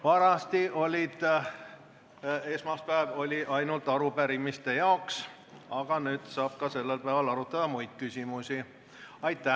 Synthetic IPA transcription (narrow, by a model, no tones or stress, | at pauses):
vɑɾɑst̪iʔo̞lʲid̪̥ | e̞ːsmɑspæevo̞lʲiʔɑjnult̪ːˑɑɾupæɾimist̪e̞jɑoks | ɑɡ̥ɑnyːd̪̥sɑːb̥̚kɑse̞lːelpæevɑlɑɾut̪ːˑɑd̪̥ɑmujd̪̥̚kysʲimusʲi | ɑjt̪ːˑæ